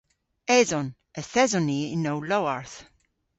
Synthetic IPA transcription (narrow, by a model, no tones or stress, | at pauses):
ɛzɔ̃n | əθɛzɔniɪnːowlowaɹθ